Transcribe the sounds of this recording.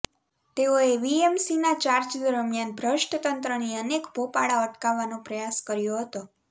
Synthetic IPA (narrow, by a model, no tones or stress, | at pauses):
t̪eoeʋiemsinat͡ʃaɾt͡ʃd̪əɾəmjanbʱɾəʃʈʰət̪ənt̪ɾəniənekbʱopaɽaəʈkaʋːanõpɾəjaskəɾjoɦət̪o